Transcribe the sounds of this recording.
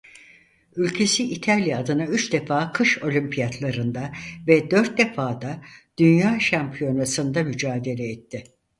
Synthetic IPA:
ylʲcʰe̞siʔːt̪ʰalʲjaːd̪ɯnayt͡ʃd̪efaːkʰɯʃo̞lʲympʰijat̪lˠaɾɯnd̪avɛd̪ø̞ɾt̪̚d̪e̞faːd̪ad̪̥ynjaːʃampʰijo̞nasɯnd̪amyd͡ʒaːd̪e̞lʲɛːt̪ʰːɪ

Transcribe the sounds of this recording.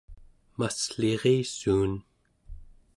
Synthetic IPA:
masɬeʁeːsuːn

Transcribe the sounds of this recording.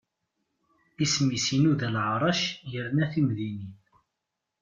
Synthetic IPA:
ismisinuðælʕɾˤɑʃjəɾnæθimðiniθ

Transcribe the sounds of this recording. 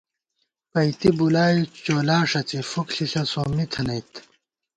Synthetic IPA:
pɐjt̪ibulaːit͡ɕoːlaːʂɐt͡sifukɬiɬɐsoːmit̪ʰɐnɐjt̪ʰ

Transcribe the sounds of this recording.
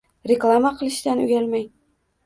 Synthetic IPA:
ɾʲeklˠamaqʰɨlˠɪʃt̪anʉ̰ɡʲalmaj

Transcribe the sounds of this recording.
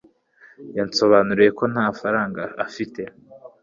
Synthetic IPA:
janso̞βaːnuɾije̞ko̞nhaːfaɾaːŋɡaːfite̞

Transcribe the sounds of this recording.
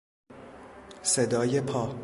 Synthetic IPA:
sed̪ɒːjepʰɒː

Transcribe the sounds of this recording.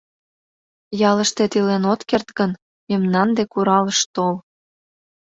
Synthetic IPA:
jɑləʃt̪et̪ilenot̪kert̪ɡən | jəmnɑnd̪ekuɾɑləʃt̪ol

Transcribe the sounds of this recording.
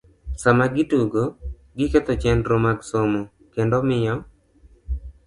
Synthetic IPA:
samaɡɪtuɡo | ɡɪket̪ɔt͡ʃɛndɾomaɡsomo | kendomɪjɔ

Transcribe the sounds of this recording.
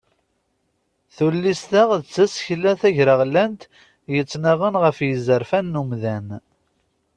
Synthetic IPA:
θulːist̪aʁðt͡sːæsçlːæθæʝɾəʁlænt̪ | jət͡sːnaʁənʁəfjəzəɾfænːumðæn

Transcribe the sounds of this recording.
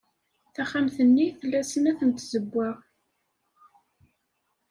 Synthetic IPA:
θæχːamθənːiθəlːæsənæθənt̪zəbːæ

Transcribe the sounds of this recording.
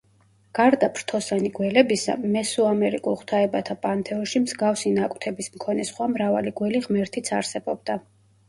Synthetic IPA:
ɡ̥aɾd̪apʰɾt̪ʰɔsaniɡwɛlɛbisa̰mɛsuamɛɾikʼulˠχt̪ʰaɛbat̪ʰapʼant̪ʰɛɔʃimzɡafsinakʼt̪ʰɛbismkʰɔnɛsχwamɾava̰liɡwɛliʁmɛɾt̪ʰit̪sʰaɾsɛbɔb̚d̪a

